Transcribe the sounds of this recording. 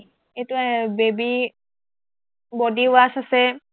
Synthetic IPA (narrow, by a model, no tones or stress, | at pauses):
etuabebi | bɔdiwasasɛ